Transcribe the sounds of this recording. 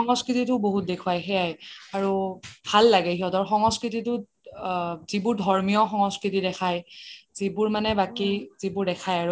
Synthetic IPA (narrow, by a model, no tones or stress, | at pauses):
xɔŋɔskɹititʊboɦut̚dekʰuajxɛjajaɹubʱalːaɡɛɦiɔdɔɹxɔŋɔskɹititʊ | zibʊɹdʱɔɹmijɔxɔŋɔskɹitidɛkʰajz̥ibʊɹmanɛbakizibʊɹdɛkʰajaɹu